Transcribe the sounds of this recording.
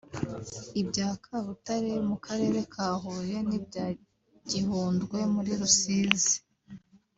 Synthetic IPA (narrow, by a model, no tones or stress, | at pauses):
ibɟaːkʰaβutaɾemukaɾe̞ːɾe̞kʰaːɦuje̞nibɟaː | ɟihuːndɡwe̞muɾiɾusiːzi